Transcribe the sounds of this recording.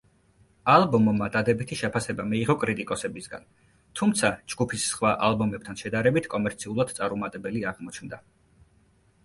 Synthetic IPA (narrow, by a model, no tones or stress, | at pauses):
alˠbɔmmːad̪ad̪ɛbit̪ʰiʃɛpʰasɛbamiːʁɔkʼɾit̪ʼikʼɔsɛbisɡa̰n | t̪ʰumt̪sʰad͡ʒɡupʰisːχwaʔalˠbɔmɛp̚t̪ʰanʃɛd̪aɾɛbit̪ʰkʼɔmɛɾt̪sʰiulˠad̪̥t̪sʼaɾumat̪ʼɛbɛliaʁmɔt͡ʃʰnd̪a